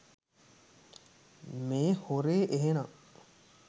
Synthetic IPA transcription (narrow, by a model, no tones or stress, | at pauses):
meːhoɾeːʔeɦenɐŋ